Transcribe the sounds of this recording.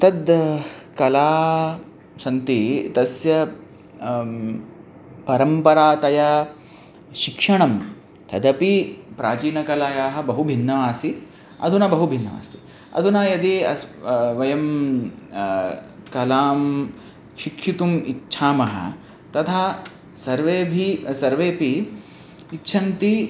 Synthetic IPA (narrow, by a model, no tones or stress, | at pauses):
t̪ɐd̪kɐlaː | sɐnt̪it̪ɐsjɐ | pɐɾɐmpɐɾaːt̪ɐja | ʃikʂɐɳɐm | t̪ʰɐd̪ɐpipɾaːt͡ʃiːnɐkɐlaːjaːɦɐ̆bɐɦubʱinːɐʋaːsi | ɐ̰d̪ʱunɐbɐɦubʱinːɐʋa̰ːst̪i̥ | ɐ̰d̪ʱunaːjɐd̪eɐsʋɐjɐm | kɐlaːm | ʃikʰʂit̪umitːʃʰaːmɐɦɐ̰ | t̪ɐt̪ʰaː | sɐɾʋeːbʱisɐɾʋeːpiː | tːʃʰɐnt̪i